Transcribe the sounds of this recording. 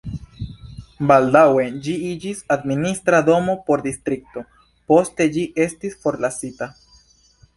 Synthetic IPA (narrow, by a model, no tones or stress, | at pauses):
baldawe̞d͡ʒiid͡ʒisad̪minist̪ɾad̪o̞mo̞po̞ɾd̪ist̪ɾik̚to̞ | po̞ste̞d͡ʒiʔe̞stisfo̞ɾlasita